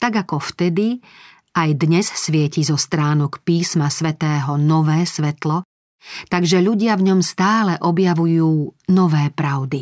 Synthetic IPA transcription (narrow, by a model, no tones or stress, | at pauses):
t̪aɡakɔft̪ɛd̪i | ajd̪ɲɛssʋɪɛcizɔst̪ɾaːnɔkpiːsmasʋɛt̪ɛːɦɔnɔʋɛːsʋɛt̪lɔ | t̪aɡʒɛʎuɟɪavɲɔmst̪aːlɛʔɔbjaʋujuːnɔʋɛːpɾaʊd̪i